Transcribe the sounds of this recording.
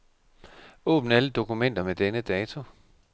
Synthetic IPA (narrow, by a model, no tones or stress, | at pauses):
ɔ̰̽ːb̥n̩æləd̥o̝kumen̰d̥ɐmed̥enəd̥ɛːt͡sʰo̝